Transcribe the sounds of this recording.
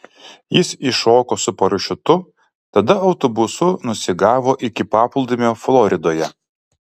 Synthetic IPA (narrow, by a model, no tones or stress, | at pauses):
jɪsɪʃoːkoːsʊpɐɾʊʃʲʊt̪ʊ | t̪ɐd̪ɐɒʊt̪ɔbʊsʊnʊsʲɪɡɑːʋoːʔɪkʲɪpɑːpʊlˠd̪ʲɪmʲoːflˠɔɾʲɪd̪oːjɛ